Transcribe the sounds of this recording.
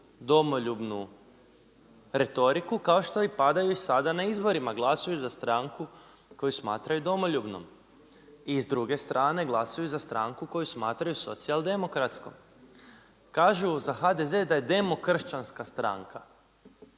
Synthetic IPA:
d̪o̞mo̞ʎubnu | ɾe̞t̪o̞ɾikukao̞ʃt̪oipad̪ajuisad̪anaizbo̞ɾimaɡlˠasujuzast̪ɾaŋku | ko̞jusmaːt̪ɾajud̪o̞mo̞ʎubno̰m | izd̪ɾuɡe̞st̪ɾʔaːne̞ɡlˠasajuzast̪ɾaŋkuko̞jusmaːt̪ɾajuso̞̰t̪sialˠd̪e̞mo̞kɾat̪sko̰m | kaːʒuzaxad̪e̞ze̞d̪aje̞d̪e̞mo̞kr̩ʃt͡ɕanskast̪ɾa̰ŋka

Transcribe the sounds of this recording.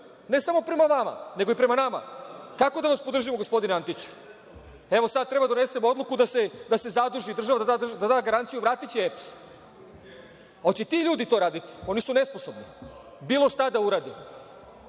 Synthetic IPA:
ne̞samopɾe̞maʋama̰ne̞ɡo̞ipɾe̞manama̰kako̞d̪aʋaspod̪r̩ʒimoɡo̞spo̞d̪inant̪it͡ɕu̥ | e̞ʋo̞sad̪̚t̪ɾe̞bad̪one̞se̞mo̞d̪lˠukud̪ase̞d̪ase̞zad̪ɾuʒid̪ɾr̩ʒaʋad̪aad̪ad̪aːɡaɾant̪sijuʋɾaːt̪it͡ɕieps | ot͡ɕet̪iʎuːd̪it̪o̞ɾaːd̪it̪i̥o̞nisune̞sposo̞bni | biːlo̞ʃt̪ad̪auɾaːd̪i

